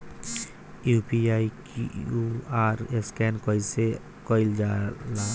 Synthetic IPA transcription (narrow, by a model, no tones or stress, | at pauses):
upiajkuaɾeskɛnkɔjse | kɔjld͡ʒala